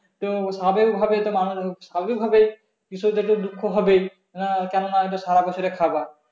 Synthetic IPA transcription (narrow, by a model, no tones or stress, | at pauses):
t̪osabeɡibʱabet̪omanuɾsabebikbʱabe | kisod̪eʈud̪ukʰːoɦɔbe | nakɛnonaeʈasaɾabɔt͡ʃʰɔɾekʰaba